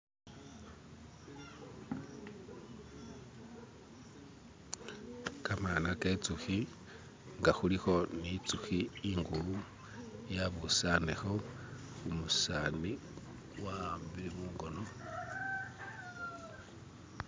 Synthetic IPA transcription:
kamaːnaket͡suxi | ŋɡaxulixo̞nit͡suxiːŋɡulu | jaβusanexo | xumusani | wambiiβuːŋɡo̞no

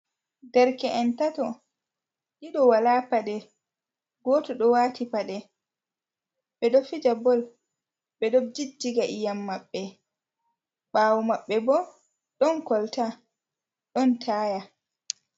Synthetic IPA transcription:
dɛɾkɛʔɛntatɔ | ʔiɗɔwalapaɗɛ | ɡɔːtɔɗɔwatipaɗɛ | ɓɛɗɔfid͡ʒabɔl | ɓɛɗɔd͡ʒid͡ʒiɡaʔijamːaɓːɛ | ɓaːwɔmaɓːɛbɔ | ɗɔnkɔlta | ɗɔntʰaːja

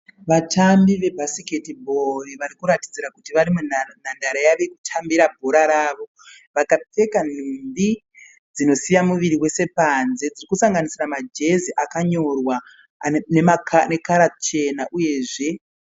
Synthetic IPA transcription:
ʋatambiʋe̞bʱasike̞tibʱo̞riʋaɾikuɾati̥d͡ziɾakutiʋaɾimun̤andaɾajaʋekutʰambiɾabʱo̞ɾaɾaːʋo̞ | ʋakap͡fe̞kan̤umbi | d͡zino̞sijamuʋiɾiwe̞se̞panze̞d͡zirikusaŋɡanisiramad͡ʒe̞ziʔakaɲo̞rwa | nemakane̞kaɾat͡ʃe̞naʔuje̞ːʐe̞

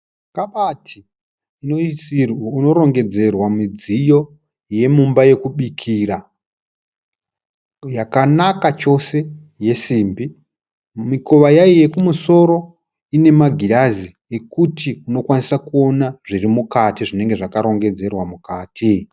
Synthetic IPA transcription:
kaɓatʰiː | no | uno̞ɾo̞ŋɡe̞d͡ze̞rwamid͡zijo̞ | je̞mumbaje̞kuɓikʰira | jakanakat͡ʃo̞se̞ | je̞siːmbi | miko̞ʋajaije̞kumuso̞ɾo̞ | ine̞maɡʱilazi | e̞kutiuno̞kwanisakuo̞naʐ̥irimukatiʐine̞ŋɡe̞ʐakaɾo̞ŋɡe̞d͡ze̞rwamukaːtʰi

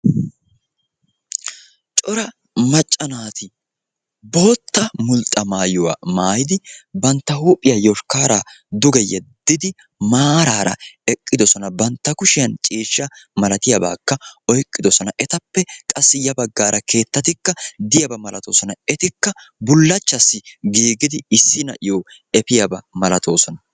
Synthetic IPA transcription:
t͡ʃʼɔɾɐ | mɐt͡ʃʼːɐnaːt̪ɪ | bo̞ːt̪ːɐmʊlt̪ʼːɐmaːjɔwa̰maːjd̪ɪbɐnt̪ːɐhuːpʼːɪjɐjɔʃkaːɾaːd̪ʊɡɛjɛd̪̥ːɪd̪ɪ | maːɾaːɾɐ̰ɛkʼːɪd̪ɔsɔnɐbɐnt̪ːɐkʊʃɪjɐnt͡ʃʼiːʃːɐmɐlɐt̪ɪjɐba̰ːkːɐɔjkʼːɪd̪ɔsɔnɐʔɛt̪ɐpːɛkʼɐsːɪjɐbɐɡːaːɾɐke̞ːt̪ːɐt̪ɪkːɐd̪ɪjɐbɐmɐlɐt̪oːsɔnɐɛt̪ɪkːɐbʊlːɐt͡ʃːɐsːɪɡiːɡɪd̪ɪɪsːɪnɐ̰ʔɪjoː | ɛpɪjɐbɐmɐlɐt̪ʰo̞ːsɔnɐ

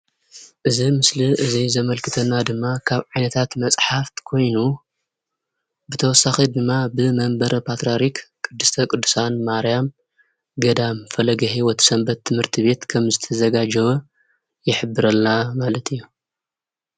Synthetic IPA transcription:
ʔɨzimɨsliʔɨzizɐmɐlkʰɨt̪ʰɐnːad̪ɨmːakʰaβʕajnɐt̪ʰat̪mɐsʼħaft̪kʰo̞jnu | bɨt̪ʰɐwɔsːaxid̪ɨmːabɨmɐmbɐɾɐpʰat̪ɾaɾikkʼɨd̪ːɨst̪ʰɐkʼɨd̪ːɨsanmaɾijam | ɡɐd̪amfɐlɐɡɐɦiwɔt̪sɐmbɐt̪ʰːɨmhɨɾt̪ʰiβe̞t̪kʰɐmzɨt̪ʰɐzɐɡad͡ʒɐβɐ | jɪħɨbːɨɾɐlnamalɐt̪ʰɨjːu

